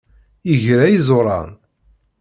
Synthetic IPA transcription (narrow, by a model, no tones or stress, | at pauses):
iʝɾæjizoɾˤɑ̰n